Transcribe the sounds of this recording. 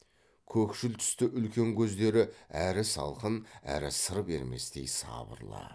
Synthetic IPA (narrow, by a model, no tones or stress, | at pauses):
kʲʰɵkʃɪlt̪ʰʏ̥st̪ɪʔʏlkʲe̞ŋkʲʰɵzd̪e̞ɾɪæɾɪsɑ̰lˠqənæ̰ɾɪsəɾpe̞̰ɾme̞̰st̪e̞̰jsɑ̰bə̰ɾlˠɑ̰